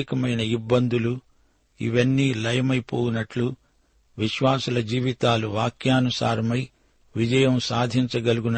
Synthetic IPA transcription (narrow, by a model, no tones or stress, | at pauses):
ikɐmɐjnɐibːɐnd̪ulu | ḭʋɐnːiːlɐjɐmɐjpoːunɐʈlu | ʋiʃʋaːsɐlɐd͡ʒiːʋit̪aːluʋaːkjaːnusa̰ːɾɐmɐj | ʋid͡ʒɐjɐmsaːd̪ʱiɲt͡ʃɐɡɐluɡun